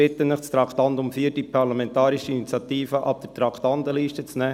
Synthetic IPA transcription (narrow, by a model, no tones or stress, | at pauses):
ɪt̪ənnɪχt͡stɾɑktɑndʊmfiːdipʰɑɾlɑmɛnt̪ɑːɾiʃəinit͡sjɑt̪iːfəʔɑ̰p̚d̥əɾtɾɑkʰtɑnd̪əliːʃtət͡snɛː